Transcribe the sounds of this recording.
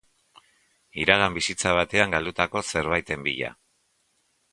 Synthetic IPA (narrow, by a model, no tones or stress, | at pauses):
iɾaɣ̞ambisit͡saβ̞at̪e̞aŋɡald̪ut̪ako̞se̞ɾβajt̪e̞mbḭʎa̰